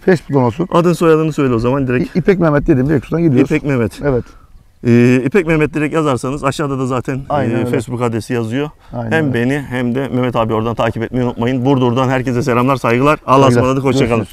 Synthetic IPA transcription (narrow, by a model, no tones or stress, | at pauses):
fejsbu̥k̚d̪onosuad̪ɯnso̞jad̪ˠɯnɯsøjlʲijo̞zamand̪iɾɛcipʰɛc̚mɛmɛt̪̚d̪ed̪imbiɾɛcʰy̥ʃd̪anɟid̪ijoiɾpʰɛcmɛmɛt̪ɛvɛt̪ː | ipʰɛcmɛmɛt̪̚d̪iɾɛcjazaɾsanɯzaʃaːd̪ad̪azaːt̪ʰɛnːfejsbukad̪ɾesijazɯjo̞jhæmbe̞nihæmd̪ɛmɛmɛt̪ʰaːbio̞ɾd̪ant̪ʰaːcʰipɛt̪mejunut̪̚majɯnbuɾd̪uɾd̪anɦæɾcezɛs̬eɾamlˠaɾsajɡɯlˠaɾ̥aːlˠamalˠad̪ɯkʰhot͡ʃʰːakalˠɯm